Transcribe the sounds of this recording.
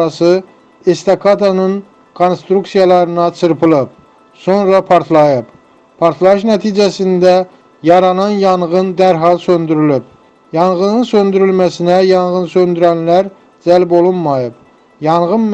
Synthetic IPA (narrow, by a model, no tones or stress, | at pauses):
ɑsɯ | est̪ɑkʰɑt̪ʰɑnɯn | kʰonst̪ɾuksijɑlˠɑɾɯnɑt͡ʃʰɯɾpʰɯlˠɯp̚ | sonɾɑpʰɑɾt̪ʰlˠɑjɯp | pʰɑɾt̪ʰlˠɑjɯʃnæt̪ʰid͡ʒæsind̪æ | jɑɾɑnɑnjɑɴʁɯnd̪æɾɦɑlˠsønd̪yɾylyp̚ | jɑnʁɯnɯnsønd̪yɾylmæsinæjɑnʁɯnsønd̪yɾænlæɾ | d͡ʒælbolˠunmɑjɯp | jɑɴʁɯn